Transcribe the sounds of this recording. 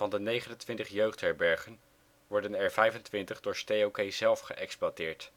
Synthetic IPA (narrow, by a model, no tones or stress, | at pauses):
vɑndənejχənəntʋɪntəχjøɥχtɦɛɹbɛɹχən | ʋɔɹdənɛɹvɛjvəntʋɪntəχdʊːɹstejowkejzɛlˠfχəʔɛksplatɪːɹt